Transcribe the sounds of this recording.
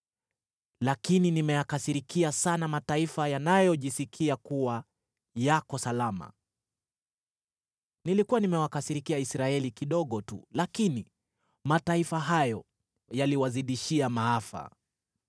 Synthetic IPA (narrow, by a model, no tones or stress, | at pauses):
lakininimɛjakasiɾikiasanamataifajanajɔʄisikʰiakuwa | jakɔsalama̰ | nilikuwanimɛwakasiɾikiaisɾaɛlikiɗɔɠɔtṵlakini | mataifaɦajɔ | jaliwaziɗiʃiamaafa̰